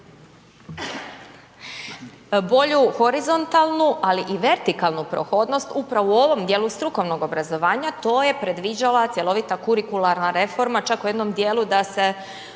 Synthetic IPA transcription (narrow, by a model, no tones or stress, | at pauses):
bo̞ʎuxo̞ɾizo̞nt̪alˠnuʔaliʔiʋe̞ɾt̪ikalˠnupɾo̰xo̞d̪no̞st̪upɾaʋoo̞ʋo̞md̪je̞ːlˠust̪ɾuko̞ʋno̞ɡo̞bɾazo̞ʋaːɲat̪o̞ːje̞pɾe̞d̪ʋid͡ʑalat̪sʲje̞lˠo̞ʋit̪akuɾikulˠaɾnaɾe̞fo̞ɾmat͡ʃakuje̞d̪no̞md̪je̞ːlud̪ase̞